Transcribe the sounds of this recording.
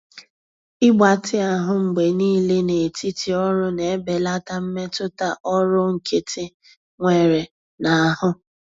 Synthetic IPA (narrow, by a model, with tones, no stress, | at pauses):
ɪ˦ɡ͡ba˨tɪ˦a˨ɦʊ˦ŋ͡m̩˨ɡ͡be˨niː˦le˦ne˨ti˦ti˨ɔ˦ɾʊ˦ne˨e˦be˨la˦ta˦m̩˦me˦tʊ˦ta˦ʔɔ˦ɾʊ˦ŋ̩˨kʰe˦tʰɪ˦ | ŋʷe˨ɾe˨ | na˨a˨hʊ˦